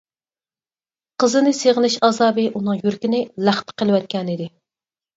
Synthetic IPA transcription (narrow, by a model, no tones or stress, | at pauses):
qʰəzɨnɨseʁlɪʃɑzɑːbɨʔunɨŋjyɾkʲinɪlæχt̪ʰə̥qʰəlˠɨwɛt̪̚kʲɛnɨd̪ɪ